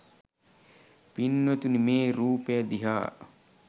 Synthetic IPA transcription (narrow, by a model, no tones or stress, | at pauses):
pinːʋɐt̪unimeːɾuːpejad̪iɦaː